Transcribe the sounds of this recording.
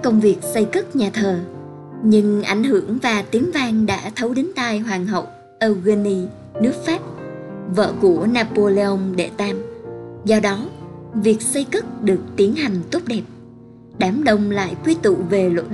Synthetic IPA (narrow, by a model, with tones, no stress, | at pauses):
kə˧wŋ͡mvi˨˩ək̚sə˧jkɨ˦˥t̚ɲaː˨˩t̪ʰəː˨˩ | ɲɨ˧ŋʔa̰˧˩jŋ̟ɦɨ˧˩əŋvaː˨˩t̪i˨˦əŋvaː˧ŋɗa̰ː˧˥t̪ʰə˨˦wɗe˨˦nt̪aː˧jɦwaː˨˩ŋɦə̰˧˨w | ʔəː˧wɣə˧ni˧ | nɨ˦˥ək̚faː˦˥p̚və̰ː˧˨ku˧˩ənaː˧po˧le˧ʔə˧wŋ͡mɗḛ˧˩t̪aː˧mzɔ˧ɗɔ˨˦vi˨˩ək̚sə˧jkɨ˦˥t̚ɗɨ˨˩ək̚t̪i˨˦ənɦa˨˩jŋ̟t̪o˦˥p̚ɗɛ˨˩p̚ | ɗaː˨˦mɗə˧wŋ͡mla̰ː˧˨jkwi˧t̪ṵ˧˨ve˨˩lə̰˧˨